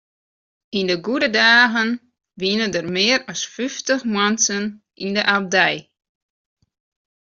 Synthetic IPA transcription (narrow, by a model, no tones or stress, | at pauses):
indəɡudədaːɣən | ʋiənədərmɪːəɾɔsfyftəxmwansən | indəʔab̚dɛj